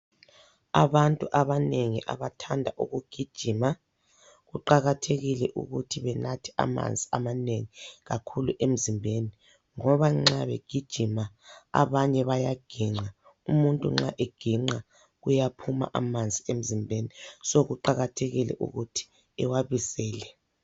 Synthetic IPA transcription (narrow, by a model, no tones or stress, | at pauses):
aβantʼuʔaβaneŋḭʔa̰βatʰandʱaʔuɣuɡ̥ʱid̥ʒ̥ʱima | ɣuǃaɣatʰeɣilɛʔṵɣutʰiβɛnatʰi̥a̰ma̰nd͡zʱiamaneŋiɣakʰuluʔem̩zimbʱeni | ŋɔβaŋ͡ǁaβɛ̰ɡ̥ʱid̥ʒ̥ʱimaa̰βaɲɛβajaɡ̥ʱiŋ͡ǃa | umuntʼṵŋ͡ǁa̰ʔeɡ̥ʱiŋ͡ǁa | ɣujapʰuma̰ʔamand͡zʱiem̩zimbʱenisɔɣuǃaɣatʰeɣilɛ̰ʔṵɣutʰi̥ | ɛwaβisɛːlɛ